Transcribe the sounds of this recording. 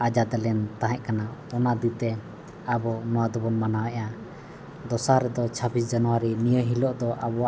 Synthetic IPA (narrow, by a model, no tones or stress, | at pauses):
ad͡ʒad̪ɛlɛnt̪aɦɛ̃ʔkanaɔnad̪it̪ɛ | abɔnɔwad̪ɔbɔnmanawɛʔa | d̪ɔsaɾɛd̪ɔt͡ʃʰabis̬d͡ʒanɔwaɾinijəɦilɔʔd̪ɔʔabɔwa